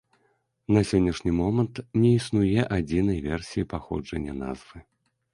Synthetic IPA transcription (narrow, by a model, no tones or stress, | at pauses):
nɐsʲɔnʲːɐʂnʲimɔmɐnt̪nʲɛisnujɛʔad͡zʲinɐjvʲɛrsʲijipaxɔ̰d͡ʐɐnʲːɐna̰zvɨ